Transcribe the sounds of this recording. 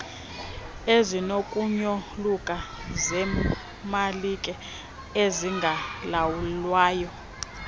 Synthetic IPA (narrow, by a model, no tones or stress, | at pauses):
ezinokʼuɲɔlukʼazɛ | malikʼɛ | eziŋɡʱalawulwaːjɔ